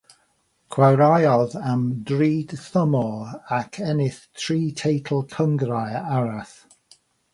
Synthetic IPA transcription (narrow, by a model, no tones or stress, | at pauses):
kʰwawɾajɔðamdɹiːd̥θəmɔakʰɛnɪθtʰɹiːtʰejtʰl̩ˠkʰəŋɡɾajaɹaθ